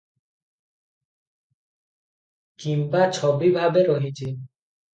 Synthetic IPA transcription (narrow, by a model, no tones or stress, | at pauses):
kimpat͡ʃʰɔbibʱabeɾɔɦit͡ʃʰi